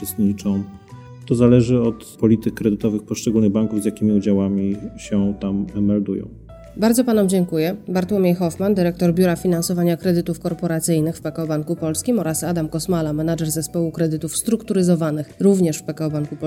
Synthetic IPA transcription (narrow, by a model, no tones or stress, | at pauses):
ɛst̪ɲit͡ʂɔ̃w̃ | t̪ɔzalɛʐɘɔt̪pɔlʲit̪ɘkːɾɛd̪ɘt̪ɔvɘxpɔʂt͡ʂɛɡulnɘɣbaŋkuvzʲjakʲimʲiud͡ʑawamʲiɕɛt̪amːɛld̪ṵjɔ̰̃w̃ | baɾdzɔpanɔmd͡ʑɛŋkujɛbaɾt̪wɔmʲjejxɔfmand̪ɘɾɛk̚t̪ɔɾbʲjuɾafʲinansɔvaɲakɾɛd̪ɘt̪ufkɔɾpɔɾat̪sɘjnɘxfpɛkaɔbaŋkupɔlskʲimɔɾasad̪amkɔsmalamɛnad͡ʐɛɾzɛspɔwukɾɛd̪ɘt̪ufst̪ɾukt̪uɾɘzɔvanɘxɾuvɲɛʂfpɛkaɔbaŋkupɔ